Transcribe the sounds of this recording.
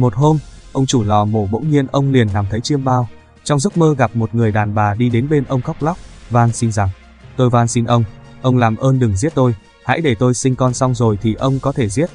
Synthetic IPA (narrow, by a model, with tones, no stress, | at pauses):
mo˨˩t̚ho˧mʔə˧wŋ͡mt͡ɕu˧˩lɔ˨˩mo˧˩ɓə̰˧˥wŋ͡mɲi˧ənʔə˧wŋ͡mli˨˩ənːaː˨˩mt̪ʰə˨˦jt͡ɕi˧əmɓaː˧w | t͡ɕɔ˧wŋ͡mzk͡p̚məː˧ɣa˨˩p̚mo˨˩t̚ŋɨ˨˩əjɗaː˨˩nɓaː˨˩ɗi˧ɗe˨˦nɓe˧nʔə˧wŋ͡mxa˦˥wk͡p̚la˦˥wk͡p̚vaː˧nsi˧nza˨˩ŋ | t̪o˧jvaː˧nsi˧nʔə˧wŋ͡mʔə˧wŋ͡mlaː˨˩mʔəː˧nɗɨ˨˩ŋzi˦˥ət̚t̪o˧j | ha̰˧˥jɗe˧˩t̪o˧jsï˧ŋ̟kɔ˧nsa˧wŋ͡mzo˨˩jt̪ʰi˨˩ʔə˧wŋ͡mkɔ˨˦t̪ʰe˧˩zi˦˥ət̚